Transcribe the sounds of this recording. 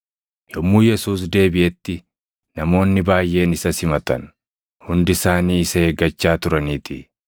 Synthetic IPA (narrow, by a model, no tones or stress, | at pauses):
jɔmːuːjɛsuːs̬d̪e̞ːbɪʔɛt̪ːɪ | nɐmo̞ːnːɪbaːjʔːe̞ːnɪsɐsɪmɐt̪ɐ̰n | hʊnd̪ɪsaːniːɪsɐeːɡɐt͡ʃːaːt̪ʊɾɐniːt̪ɪ